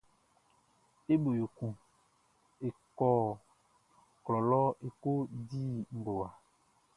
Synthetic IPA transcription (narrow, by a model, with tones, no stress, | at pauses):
e˦bo˨jo˨kũ˨ | e˨kɔː˦ | klɔ˨lɔ˦e˨ko˦di˦m̩˨bo˨wa˨